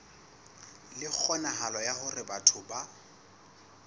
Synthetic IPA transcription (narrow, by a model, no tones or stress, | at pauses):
lɪk͡xʰɔnaɦalɔjahʊrɪbatʰʊba